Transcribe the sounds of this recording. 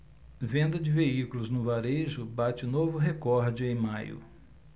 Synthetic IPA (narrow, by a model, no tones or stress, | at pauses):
vẽnd̪ɐd͡ʒɪveikulʊznʊvaɾeʒʊbat͡ʃɪnovʊɦekɔɾd͡ʒɪẽj̃majʊ̰